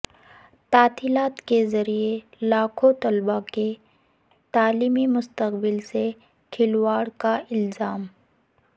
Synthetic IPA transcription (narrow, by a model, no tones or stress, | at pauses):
t̪aːt̪iːlaːt̪kezɐɾie | laːkʰot̪ɐlbake | t̪aːliːmimʊst̪əqbɪlse | kʰɪlwaːɽkaʔɪlzaːm